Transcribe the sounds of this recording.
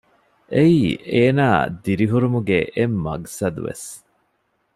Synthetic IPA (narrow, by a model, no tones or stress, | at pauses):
ʔeiːeːnaːd̪iɾiɦuɾumuɡeʔemːɐ̰ɡsɐd̪ṵʋḛs